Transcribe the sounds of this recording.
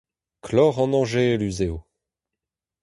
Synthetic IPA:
kʰlɔːʁɑ̃nɑ̃ʒelyzeo

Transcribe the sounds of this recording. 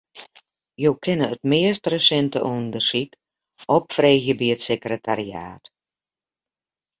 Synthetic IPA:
joːkʰɪnəətmɪəstrəsɛntə̰ʔundərsik | ɔpfreːɣjəbiətsekrətʰaria̰ːt

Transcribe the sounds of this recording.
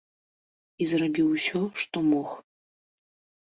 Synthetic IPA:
izrabʲiwsʲɔʂt̪ɔmɔx

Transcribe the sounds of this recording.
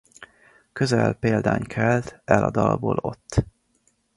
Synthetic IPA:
køzɛlpeːld̪aːɲkʰɛlt̪ɛlɒd̪ɒlboːlo̞t̪ː

